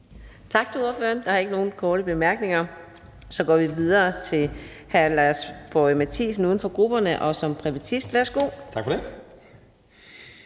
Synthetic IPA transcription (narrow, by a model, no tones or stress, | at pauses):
t͡sʰɑ̈ɡ̥t͡sʰe̝luɐfø̰ɐnd̥ɑ̈hɑ̈e̝ɡ̥no̝ːn̩kʰɒːɾ̥əb̥e̝mæɐɡ̥ne̝ŋɐ | sɒ̽ɡ̥ɒ̰ːʋiʋið̞ˠɐːt͡sʰe̝l | hælæsb̥ɒɪmæt͡sʰḭːsn̩uːð̞ˠn̩fɒ̽ɡ̥ʁub̥ɐnəʔɒ̽sɒ̽mpʰʁiʋæt͡sʰisd̥ʋæɐsɡ̥o̝̰ːt͡sʰɑ̈ɡ̥fde